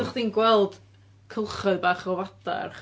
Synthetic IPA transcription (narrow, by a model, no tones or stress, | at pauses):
χd̥iːnɡwɛlˠd̥ | kʰəlˠχɔðbaːχɔvada̰rχ